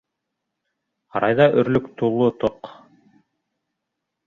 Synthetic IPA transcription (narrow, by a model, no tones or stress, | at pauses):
ɑɾɑjðɑʔɵ̆ɾlɵkt̪ulˠːot̪oq